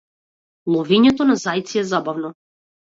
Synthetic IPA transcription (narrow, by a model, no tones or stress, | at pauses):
lˠɔviɲɛt̪ɔnazajt̪siɛzabavnɔ